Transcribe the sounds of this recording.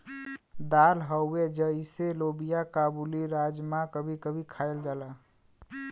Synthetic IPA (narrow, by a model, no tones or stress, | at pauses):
d̪alɦəʊed͡ʒəiselobijakabuliɾad͡ʒmãkəbʱikəbʱikʰaeld͡ʒala